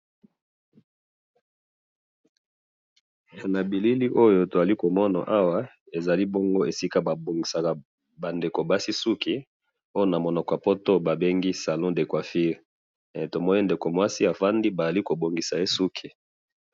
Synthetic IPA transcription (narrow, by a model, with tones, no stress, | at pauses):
ja˨na˨bi˨li˦li˦ʔo˦jo˨to˨za˨li˦ko˨mɔ˦na̰˨ʔa˦wa˦ | e˨za˨li˦bo˦ŋɡo˦e˨si˦ka˦ba˨bo˨ŋɡi˨sa˨ka˨ | ba˨nde˨ko˨ba˦si˦su˦ki˨ | o˦jo˦na˨mo˨nɔ˨kɔ˨a˨po˦to˦ba˨be˦ŋɡi˦sa˨lɔ̃˦de˨kwa˨fi˦ʁ | to˨mɔ˦ni˦nde˨ko˨mwa˦si˦a˨fa˦ndi˦ba˨a˨li˦ko˨bo˨ŋɡi˨sa˨e˦su˦kʰi˨